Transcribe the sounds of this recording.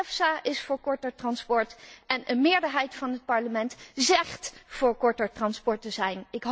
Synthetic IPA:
ɛfsaːʔɪsfʊːɹkɔɹtəɹtrɑnspɔɹtɛnənmɪːɹdəɹɦɛjtfɑnɦət̚pɑɹləmɛntzɛχtfʊːɹkɔɹtəɹtrɑnspɔɹtəzɛjnɪkɦ

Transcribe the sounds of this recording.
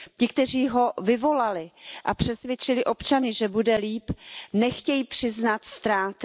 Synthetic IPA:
cɪkt̪ɛr̝iːɦo̞vɪvo̞lalɪʔapr̝̥ɛsvʲjɛt͡ʃɪlɪʔo̞pt͡ʃanɪʒɛbudɛliːpnɛxcɛjiːpr̝̥ɪznat̪st̪ɾaːt̪

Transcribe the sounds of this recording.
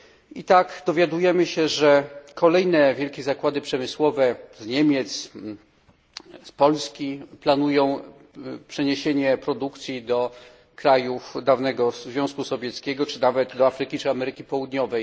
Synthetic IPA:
it̪akd̪ɔvʲjad̪ujɛmɘɕɛʐɛkʰɔlɛjnɛvʲjɛlkʲɛzakwad̪ɘpʂɛmɘswɔvɛzɲemʲjɛt̪s | spɔlskʲiplanujɔ̃w̃ | pʂɛɲeɕeɲɛpɾɔd̪ukt̪sʲjid̪ɔ | kɾajufd̪avnɛɡɔzvʲjɔ̃w̃skusɔvʲjɛt̪skʲɛɡɔt͡ʂɘnavɛt̪d̪ɔafɾɘkʲit͡ʂɘamɛɾɘkʲipɔwud̪ɲɔvɛj

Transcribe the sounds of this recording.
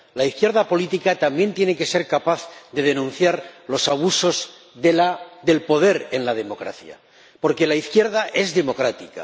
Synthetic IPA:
laiθkje̞ɾðapo̞lit̪ikat̪ambje̞nt̪je̞neke̞se̞ɾkapaθðe̞ð̞e̞nũnθjaɾlo̞saβ̞uso̞z | ðelaðe̞lpo̞ð̞e̞ɾe̞nlað̞e̞mo̞kɾa̰θja̰ | po̞ɾke̞laiθkje̞ɾðaʔe̞zðe̞mo̞kɾat̪ika̰

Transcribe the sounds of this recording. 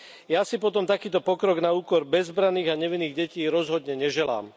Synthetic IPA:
jasipɔt̪ɔmt̪akiːt̪ɔpɔkɾɔɡnauːkɔɾbɛzbɾaniːɣaɲɛʋinːiːɣɟɛciːɾɔzɦɔd̪ɲɛɲɛʒɛla̰ːm

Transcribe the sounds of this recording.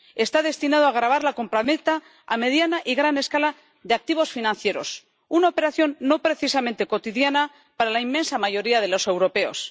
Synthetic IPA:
e̞st̪aðe̞st̪inaðoaɣɾaβ̞aɾlako̞mpɾanet̪aː | me̞ðjanaʔiɣɾane̞skala | ðe̞ak̚t̪iβo̞sfinãnθje̞ɾo̞̰s | unaope̞ɾaθjo̞nːo̞pɾe̞θisamẽnt̪e̞ko̞t̪iðjana | paɾalaimːẽ̞nsamaʝo̞ɾiað̞e̞lo̞se̞wɾo̞pe̞o̞̰s

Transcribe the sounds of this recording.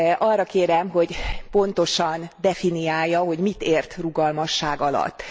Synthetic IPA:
ʔɒrːɒkeːɾɛmɦo̞ɟpo̞nt̪o̞ʃɒnd̪ɛfinijaːjːɒɦo̞ɟmit̪eːrt̪ruɡɒlmɒʃːaːɡɒlɒ̰t̪ː

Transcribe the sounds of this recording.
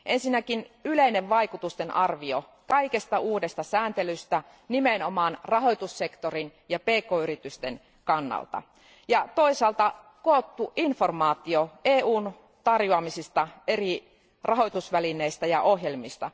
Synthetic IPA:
ʔensinːækinyleineʋʋɑikut̪ust̪enʔɑrʋio | kɑikest̪ɑuːdest̪ɑsæːnt̪elyst̪æ | nimenomɑnrɑɦo̞jt̪usːekt̪orinjɑpeːkoːyɾit̪yst̪en | kɑnːɑ̰lt̪ɑ̰ | jɑt̪o̞isɑlt̪ɑ | koːt̪ːuʔinfo̞rmɑːt̪ioeːuːn | t̪ɑrjuɑmisist̪ɑeri | rɑɦo̞jt̪usʋælineist̪æjɑʔohjelmist̪ɑ

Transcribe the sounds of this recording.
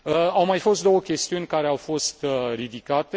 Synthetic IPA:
əawmajfo̞st̪d̪o̞wəkʲe̞st̪iunʲkaɾe̞awfo̞st̪rid̪ikat̪e

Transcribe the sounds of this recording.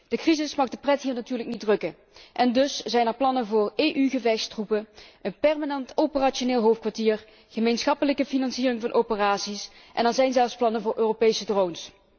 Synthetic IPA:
d̥əkrizɪsmɑχdəprɛtɦiːɹnatyːɹləknidrɵkə | ʔɛndɵsz̥ɛjnɛɹplɑnənvʊːreːʔyɣəvɛxstrupəənpɛɹmanɛntopəraːt͡ʃoneːlˠɦowftkʋaɹtiːɹ | χəmejnsχɑpələkəfinɑnsiːrɪŋvɑnʔowpəraːtsis | ʔɛ̰nɛnzɛjnzɛlˠfsplɑnəvʊːɹʔøːropejsədrowns

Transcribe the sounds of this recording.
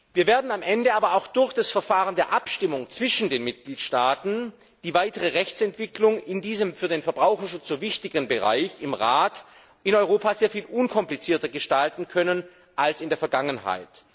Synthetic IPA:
viːɐveːɐdn̩amʔɛndəaːbɐaʊxd̥ʊɐçd̥asfɛɐfaːʁəndeːɐʔapʃtɪmʊŋt͡sv̥ɪʃn̩deːnmɪt̚ɡ̥liːtʃtaːtn̩ | d̥iːvaɪtəʁəʁɛçt͡sɛntv̥ɪklʊŋɪndiːzəmfyːɐdeːnfɛɐbʁaʊxɐʃʊt͡sz̥oːvɪçtɪɡənbəʁa̰ɪçɪmʁaːt | ʔɪnɔʏʁoːpaːzeːɐfiːlʔʊnkʰɔmplit͡siːɐtɐɡəʃtaltn̩kʰœnən | ʔalsɪndeːɐfɛɐɡaŋənɦa̰ɪt

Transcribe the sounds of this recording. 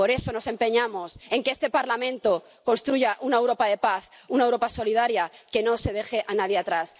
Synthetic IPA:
po̞ɾe̞so̞no̞se̞mpe̞ɲamose̞ŋkeest̪e̞paɾlamẽnt̪o̞ | konst̪ɾuʝaʔunaewɾo̞paðe̞paθunaewɾo̞paso̞lið̞aɾjake̞no̞se̞ð̞e̞xe̞ʔanað̞jeat̪ɾas

